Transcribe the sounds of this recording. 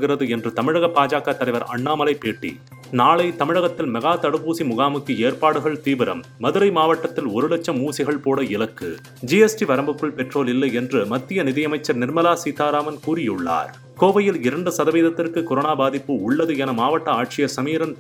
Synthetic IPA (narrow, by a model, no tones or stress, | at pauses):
ɣɪɾɐðɯɛndrɯt̪ɐmɪɻɐɣɐpːaːd͡ʒaːkɐt̪ːɐlɐɪʋɐɾɐ̰ɳːaːmɐlɐɪpːeːʈːḭ | naːɭɐɪt̪ɐmɪɻɐɣɐt̪ːɪlmɐɣaːt̪ɐɽɯpuːsimʊɣaːmɯkːɯeːrpaːɽɯɣɐɭt̪iːʋɪɾɐ̰mːɐðɯɾɐɪmaːʋɐʈːɐt̪ːɪlɔɾɯlɛt͡ʃːɐmːuːsɪɣɐɭpoːɽɐɪlɐkːɯ | d͡ʒiɛsʈiʋɐɾɐmbɯkːɯɭpɛʈroːlɪlːɐɪɛndrɯmɐt̪ːɪjɐnɪðɪjɐmɐɪt͡ʃːɐɾnɪrmɐlaːsiːt̪aːɾaːmɐnkuːɾɪjɯɭːa̰ːɾ | koːʋɐjɪlɪɾɐɳɖɯsɐðɐʋeːðɐt̪ːɪrkɯkɔɾoːnaːbaːðɪpːɯʊɭːɐðɯɛnɐmaːʋɐʈːɐaːʈt͡ʃɪjɐsɐmiːɾɐn